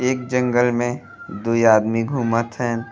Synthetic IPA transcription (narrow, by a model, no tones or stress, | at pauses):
eːk̚d͡ʒə̃ŋɡəlmẽ | d̪oiaːd̪miɡʱuːmət̪ɦɛː